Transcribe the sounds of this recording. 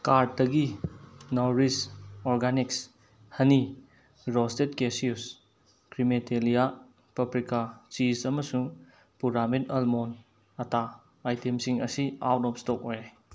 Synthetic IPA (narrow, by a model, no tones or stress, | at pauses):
kaɾd̚dɐɡinawɾisɔɾɡaniks | hɐni | ɾɔstet̚kesius | kɾimetelija | pɐpɾikat͡ʃisɐmɐsuŋ | puɾametɐlmon | ɐtaː | jtemsiŋɐ̰sia̰wtɔp̚stɔk̚ojaj